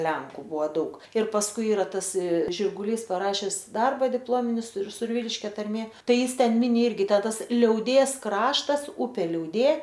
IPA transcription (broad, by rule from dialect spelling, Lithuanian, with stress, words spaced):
ˈlʲɛŋkʊ ˈbuɔ ˈdɐʊk ɪr pɐsˈkʊɪ ˈiːrɐ ˈtɐs ʒʲɪrɡʊˈlʲiːs pɐˈrɑːʃʲɛs ˈdɐrbɐ dʲɪpˈlˠoːmʲɪnʲɪ sʊr sʊrʲˈʋʲiːlʲɪʃʲkʲɛ tɐrʲˈmʲeː ˈtɐɪ ˈjɪs ˈtʲɛn ˈmʲɪnʲɪ ˈɪrʲɡʲɪ ˈtʲæː ˈtɐs lʲɛʊˈdʲeːs ˈkrɑːʃtɐs ˈʊpʲeː lʲɛʊˈdʲeː